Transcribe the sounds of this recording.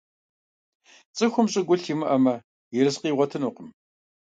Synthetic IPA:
t͡sʼɨxʷʊmɕʼɪɡʷʊɬiːmɨʔɐmɐ | jɪɾɨsqiːʁʷɔtʰɨnuːqəm

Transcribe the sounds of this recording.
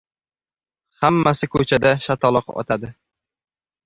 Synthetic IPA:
hamːasɪkʰɵt͡ʃʰad̪aʃat̪ʰɒlˠɨqɒ̰t̪ʰad̪ɪ

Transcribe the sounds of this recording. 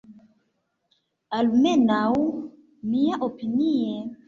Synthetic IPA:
almenaw | miaʔopinie

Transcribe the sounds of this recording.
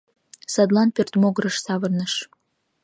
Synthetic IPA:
sɑd̪lˠɑnpert̪moɣɾə̆ʃsɑβə̆rnəʃ

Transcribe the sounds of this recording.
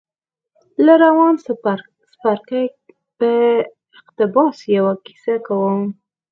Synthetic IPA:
laɾawɑns | spaɾka | pə | ɪqt̪ɪbɑsjawaki̥sakawəm

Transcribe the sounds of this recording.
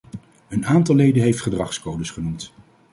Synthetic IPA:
ənaːntɑlˠːejdənɦejftχədrɑχskowdəsχənumt

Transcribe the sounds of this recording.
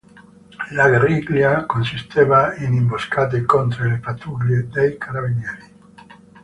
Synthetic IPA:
laɡeɾiɡljakonsist̪ʰevainimboskat̪̬ekont̪ɾelepat̪uɡljed̪ejkʰaɾabinɛɾi

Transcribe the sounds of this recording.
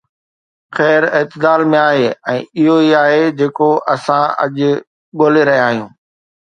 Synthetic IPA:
xɛːɾɪːt̪ɪd̪aːlmẽaːɦeːɛ̃ːɪɦoiaːɦed͡ʑeːkoʔɐsãɐ̰ʄ | ɠoːleɾɐɦijaːɦijũː

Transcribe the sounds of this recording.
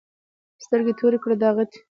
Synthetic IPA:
st̪əɾɡet̪ʰoɾekɽad̪ɑɣat̪

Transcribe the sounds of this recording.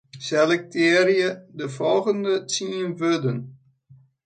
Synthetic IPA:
sɛlɛk̚tʰɪəɾjədəfɔlˠɣəndət͡siənvødən

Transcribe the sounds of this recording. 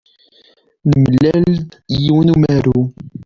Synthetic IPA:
lməlːælljiwənumæɾu

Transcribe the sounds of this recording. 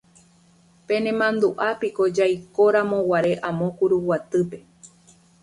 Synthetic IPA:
pe̞nẽmãnd̪uʔapiko̞d͡ʒajkoɾãmõ̞waɾe̞ʔãmõ̞kuɾuwat̪ɨpe̞

